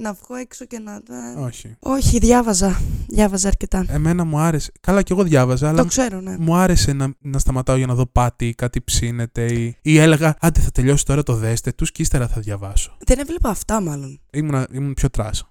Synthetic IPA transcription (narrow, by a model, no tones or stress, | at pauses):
nɐvɣoeksocenɐeo̞çio̞çiðʝɐvɐzɐðjɐvɐzɐːɾcet̪ɐe̞me̞nɐmuɐɾe̞se̥kɐlɐceɣo̞ðʝɐvɐzɐːlt̪okse̞ɾonemuɐɾe̞se̞nɐnɐst̪ɐmɐt̪ɐoʝɐnɐðo̞pɐt̪ikɐt̪ipsine̞t̪e̞iiele̞ɣɐɐnd̪iθɐt̪e̞ʎo̞si̥t̪o̞ɾɐt̪o̞ðe̞st̪e̞t̪uscist̪eɾɐθɐðʝɐvɐso̞ðenevlepɐːft̪ɐmɐlo̞nimunɐimunpço̞t̪ɾɐ̰s